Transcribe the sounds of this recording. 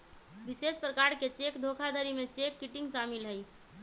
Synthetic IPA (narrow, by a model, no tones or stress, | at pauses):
ʋɪʃeːspɾəkaːɾket͡ʃeːkd̪ʱoːkʰad̪ʱəɾimẽt͡ʃeːkːɪʈɪ̃ŋɡʃaːmɪlɦɛi